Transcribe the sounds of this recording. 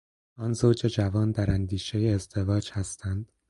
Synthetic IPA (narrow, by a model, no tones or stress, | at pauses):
ɒːnzoːd͡ʒe̞d͡ʒævɒːnd̪æɾænd̪iːʃe̞jeːzd̪e̞vɒːd͡ʒhæst̪ʰænd̪̥